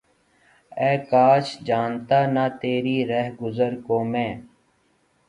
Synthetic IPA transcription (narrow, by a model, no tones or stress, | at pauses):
ɛːkaːʃd͡ʒaːnt̪aːnaːt̪eːɾiːɾɛɦɡʊzəɾkoːmɛ̃ː